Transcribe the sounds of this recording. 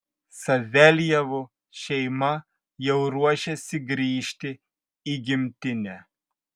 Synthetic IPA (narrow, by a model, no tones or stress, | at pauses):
sɐzʲɛlʲjɛʋu | ʃʲɛɪmɐ | jɛʊɾuɔʃʲɛsʲɪɡɾʲiːʃʲt̪ʲɪ | iɡʲɪmʲt̪ʲɪnʲɛ